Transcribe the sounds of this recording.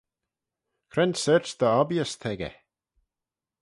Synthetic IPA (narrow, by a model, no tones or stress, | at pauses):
kʰɾɛnsɛɾsd̪əɔbjəst̪ʰɛɡɛ̰